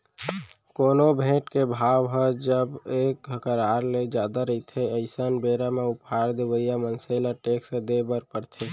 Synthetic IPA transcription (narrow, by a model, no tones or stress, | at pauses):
koːnobʱẽʈkebʱabɦɔd͡ʒəbekkəɾaɾled͡ʒad̪aɾəɪt̪ʰeəɪsənbeɾameʊpaɾd̪ebəijamənselaʈeksẽd̪ebəɾpəɽt̪ʰe